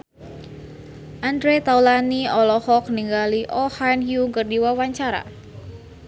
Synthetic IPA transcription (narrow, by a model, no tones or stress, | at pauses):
ʔandɾet̪aulaniɔlɔhɔk̚niŋɡaliʔɔhanhjuŋkərdiwawaɲt͡ʃaɾa̰